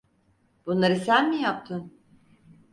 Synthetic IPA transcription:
b̥unlˠaɾɯsænmijap̚t̪ʰɯn

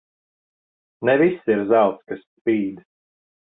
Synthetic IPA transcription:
nɛvisiɾzawt̪skasːpiːd̪

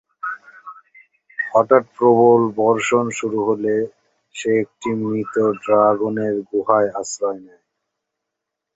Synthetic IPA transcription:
hɔʈaʈ̚pɾobolbɔɾʃonʃuɾuɦole | ʃeːk̚ʈiminit̪oɖɾaɡoneɾɡuɦaeasɾɔenɛ

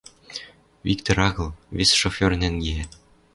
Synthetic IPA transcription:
vʲikt̪oɾɑɣɤ̆lˠvʲesʲʃofʲørnænɡeæ

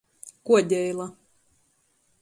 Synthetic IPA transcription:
kuɔd̪ʲɛjlˠa

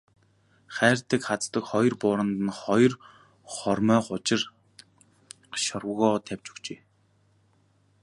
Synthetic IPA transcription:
χæːr̥t̪ə̆kχat͡st̪ə̆kχɔjɞ̆rpʊːɾə̆nt̪ə̆nχɔjɞ̆r | χɔrmœːχʊt͡ɕɪ̆r | ʃɔrwɣɔːt̪ʰæwʲt͡ɕu̥kt͡ɕeː

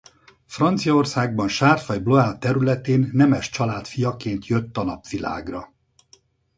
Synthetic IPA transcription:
frɒnt̪sijɒorsaːɡ̚bɒnʃaːrfɒjbloaːt̪ːɛɾylɛt̪eːnːɛmɛʃt͡ʃɒlaːt̪fijɒkeːnt̪ʰjø̞t̪ːɒnɒpʋila̰ːɡrɒ

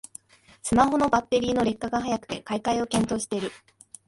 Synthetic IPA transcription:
sɨmaɦo̞no̞bat̪ːe̞ɾʲiːno̞ɾe̞kːaɡaɦajakɯ̟̥t̪e̞kaikaio̞kẽ̞nt̪o̞ːɕi̥e̞iɾɯ̟

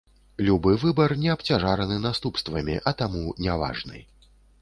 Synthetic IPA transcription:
lʲubɨvɨbɐrnʲɛɐpt͡sʲaʐaɾɐnɨnast̪upst̪vɐmʲiʔɐt̪amunʲava̰ʐnɨ̰j

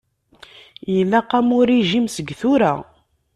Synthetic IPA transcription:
jəlːæqːæmʊɾiʒimsəɡθʊɾæ̰

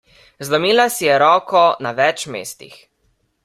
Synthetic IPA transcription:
zlɔmiːlasijɛɾɔːkɔnaʋɛt͡ʃmḛːst̪ḭx

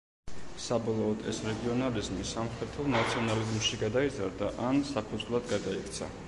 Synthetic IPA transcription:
sabɔlˠɔːd̪ɛsɾɛɡiɔnalizmisamχɾɛt̪ʰɛlˠnat̪sʰiɔnalizmʃiɡad̪aizaɾd̪aʔansapʰud̪zʁvlˠad̪ɡad̪aikʰt̪sʰa̰

